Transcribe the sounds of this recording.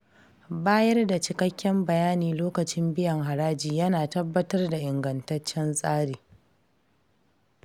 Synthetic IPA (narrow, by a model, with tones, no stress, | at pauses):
baː˦jɐ˦rda˨t͡ʃɪ˨kɐ˦kʲːɛ˦mbɐ˨jaː˦niː˨loː˦kɐ˨t͡ʃɪ˦mbɪ˦jɐ˨ŋɦa˨ɾaː˦d͡ʒiː˨jɐ˦naː˨tɐ˦bːɐ˦tɐ˦rda˨ʔɪ˨ŋɡɐ˨ntɐ˦t͡ʃːɛ˦nsʼaː˦ɽiː˨